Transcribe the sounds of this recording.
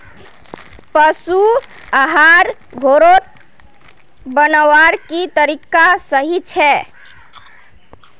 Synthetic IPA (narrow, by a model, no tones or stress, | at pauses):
pəsu | aɦaɾ | ɡʱoɾot̪̚ | bənəʋaɾkit̪əɾikasəɦit͡ʃʰɛ